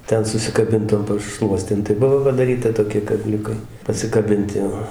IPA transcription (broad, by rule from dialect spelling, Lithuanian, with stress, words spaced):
ˈtʲɛn sʊsʲɪkɐˈbʲɪnt toːm pɐˈʃlˠuɔsʲtʲeːm tɐɪ ˈbʊʋoː pɐdɐˈrʲiːtɐ toːˈkʲiɛ kɐˈbʲlʲʊkɐɪ pɐsʲɪkɐˈbʲɪnʲtʲɪ joː